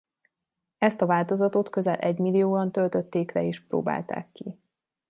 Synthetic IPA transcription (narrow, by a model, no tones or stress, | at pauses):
ɛst̪ɒvaːlt̪o̞zɒt̪ot̪kø̞zɛlʔɛɟmilːijoːɒnt̪ølt̪øt̪ːeːklɛeːʃpro̰ːba̰ːlt̪a̰ːkːi